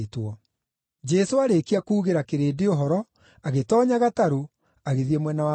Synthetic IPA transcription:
twɔ | d͡ʒɛsoaɾekiakuːɣeɾakeɾeːdeoɦɔɾɔ | aɣetɔɲaɣataɾo | aɣeðiemwɛnawa

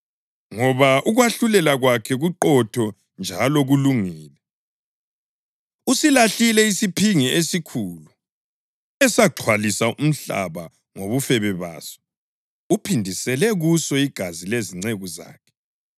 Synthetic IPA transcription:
ŋɔβaʔuɣwaɬulɛlaɣwakʰɛɣuǃɔtʰɔ | nd͡ʒʱalɔɣuluŋiːlɛ | usilaɬilɛisipʰiŋiesikʰulu | ɛsaǁʰwalisaʔum̩ɬa̰βa | ŋoβufɛβɛβa̰ːsɔ̥ | upʰindʱisɛlɛɣusɔiɡ̥ʱazileziŋ͡ǀeɣuza̰ːkʰɛ̥

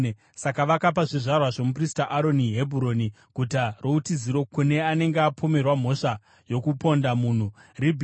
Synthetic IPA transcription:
sakaʋakapaʐiʐarwaʐe̞mupristaʔaɾo̞niɦe̞bʱuɾo̞ni | kutaroutiziɾo̞kune̞ane̞ŋɡeapʰo̞me̞rwam̤o̞ʂa | jo̞kupo̞ndamuːn̤uribʱ

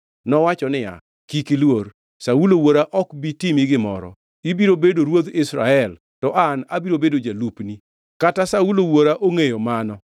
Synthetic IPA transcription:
nɔwat͡ʃɔnɪja̰ | kikilwoɾ | saulowoɾaʔɔkbitɪmɪɡɪmɔ̰ɾɔ̰ | ibiɾobedoɾwod̪ɪsɾaɛl | tɔʔanabiɾobedod͡ʒalupni | katasaulowoɾaʔoŋejomanɔ

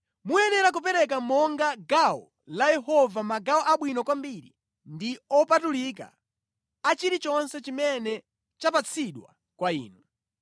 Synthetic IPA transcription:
muɛnɛɾak̬upɛɾɛk̬amɔŋɡaɡaɔ̰ | lajɛɦɔvamaɡaɔʔaɓwinɔkwambiɾḭ | ndiɔpatulik̬a̰ | at͡ʃiɾit͡ʃɔnsɛt͡ʃimɛnɛ | t͡ʃapat͡sʰiɗwa̰ | kwaḭːnu

